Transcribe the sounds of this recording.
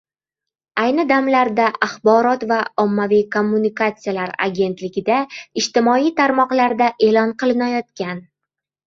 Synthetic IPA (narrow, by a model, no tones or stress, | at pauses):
ajnɪd̪amlaɾd̪aʔaχbɒɾɒt̪vaɒmːavijkʰo̞mːunikat̪sɨjalaɾa̰ɡʲe̞nt̪lɪɡʲɪd̪aɪʃt̪ɪmɒijt̪ʰaɾmɒqlaɾd̪aʔe̞lɒnqɨlˠɪnajɒt̪̚kʲan